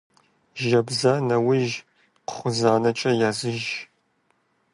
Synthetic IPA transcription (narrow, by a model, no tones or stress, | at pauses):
ʒɐbzanɐwɪʒ | qə̥χʷʊzaːnɐt͡ʃʼɐjaːzɨʒ